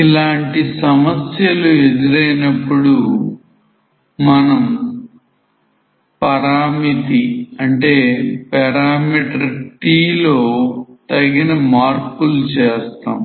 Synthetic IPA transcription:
ilaːɳʈisɐmɐsjɐlued̪iɾɐjnɐpːuɽu | mɐnɐm | pɐɾaːmit̪iɐɳʈe̞ːpɛɾaːmiːʈɐɾʈiːlo̞ːt̪ɐɡːinɐmaːɾkulut͡ʃeːst̪a̰ːm

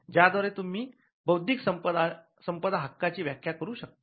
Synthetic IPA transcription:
d͡ʑjad̪ʋaɾet̪um̤iː | bəwd̪ʱiksəmpəd̪a | səmpəd̪ʱaɦakːat͡ɕiːʋjakʰjakəɾuːɕək̚t̪

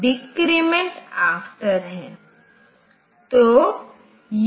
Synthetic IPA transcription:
ɖɪkɾimẽɳʈaːfʈəɾɦɛ̃ː | t̪o | j

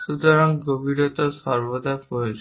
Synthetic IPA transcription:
sud̪ɔɾɔŋɡobʱiɾɔt̪ɔsɔɾbɔd̪apɔet͡ʃ

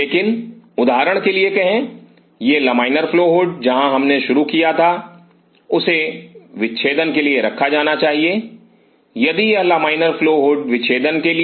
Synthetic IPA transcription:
leːkɪnʊd̪aːɾəɽ̃keliekɛɦẽ | jeːlɐmaːɪnəɾfloːɦʊɖ̚d͡ʒɐɦãɦɐmneʃʊɾukijat̪ʰa | ʊseʋɪtːʃʰeːd̪ənkelieɾɐkʰːad͡ʒaːnat͡ʃaːɦieː | jɐd̪ijɐɦlɐmaːɪnəɾfloːɦʊɖʋɪʃʰeːd̪ənkeli

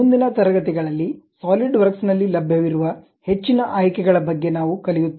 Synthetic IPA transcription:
und̪inɐt̪ɐɾɐɡɐt̪iɡɐɭɐlːisaːliɖʋɐɾksnɐlːilɐbʱjɐʋiɾuʋɐ | he̞t͡ʃːinɐʔaːjkɛɡɐɭɐbɐɡːe̞naːʋukɐlijut̪ː

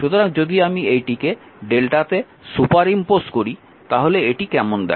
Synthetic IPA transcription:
ʃut̪oɾaŋd͡ʑod̪iamiejʈike | ɖelʈat̪e | supaɾimposʈkoɾi | t̪aɦoleeʈikɛmond̪ɛ̰

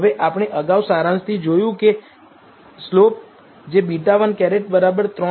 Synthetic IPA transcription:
ʋeʔapəɽ̃eʔəɡawsaɾãnst̪ʰid͡ʒojũke | slop̚ | d͡ʒebiʈaʋənkɛɾeʈ̚bəɾabəɾt̪ɾɔ

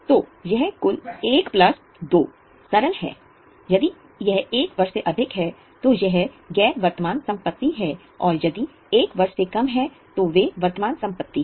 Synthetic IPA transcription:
t̪oːjɐɦkʊleːkplɐs | d̪oː | sɐɾəlɦɛ̰ː | jɐd̪i | jɛɦeːkʋɐɾʃeʔɐd̪ʱɪkɦɛ | t̪ojɛɦ | ɡɛːʋɐɾt̪əmaːnsɐ̃mpət̪ːiɦɛ | ɔːɾjɐd̪i | eːkʋɐɾʃekɐmɦɛ | t̪oʋeʋɐɾt̪əmaːnsɐ̃mpət̪ːi

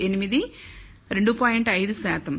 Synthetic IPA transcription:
enimɐði | ɾe̞ɳɖupoːjiɳɖɐjðɨsaːt̪ɐm

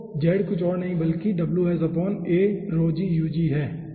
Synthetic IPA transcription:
d͡ʒɛːɖkʊt͡ʃʰɔːɾnɐɦĩbɐlkiɖɐbluɦɛzɐpɔːneːɾoːd͡ʒijuːd͡ʒiːɦɛː

